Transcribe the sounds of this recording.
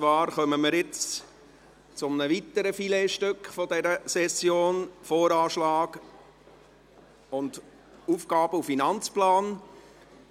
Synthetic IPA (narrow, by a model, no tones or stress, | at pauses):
t͡sʋɑːɾχœməməɾjɪt͡s | t͡sʊmnəʋit̪əɾəfileːʃtøkχfɔdɛɾəsɛsjoːnfoːɾɑːʃlɑːɡ | ʊnd | uːfɡ̥ɑːb̥əufinɑnt͡splɑːn